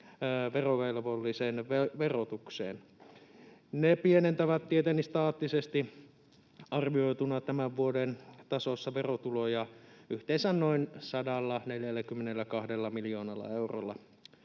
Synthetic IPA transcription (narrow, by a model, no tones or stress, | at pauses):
ʋeroʋelʋolːisenʋeʋerot̪uksḛːn | nepienent̪æʋæt̪t̪iet̪enːist̪ɑːt̪ːisest̪i | ɑrʋioit̪unɑt̪æmæʋʋuodent̪ɑsosːɑʋerot̪ulojɑyht̪eːnsænnoinsɑdɑlːɑneljælːækymːenelːækɑhdelːɑmilioːnɑlːɑ̰euro̰lːɑ